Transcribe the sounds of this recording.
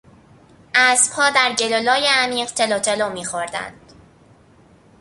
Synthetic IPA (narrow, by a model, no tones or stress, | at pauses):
ʔæsb̥hɒːd̪æɾɟelolɒːjeæmiːɢt̪ʰe̞lot̪ʰelomiːxoɾd̪æ̰nd̪̥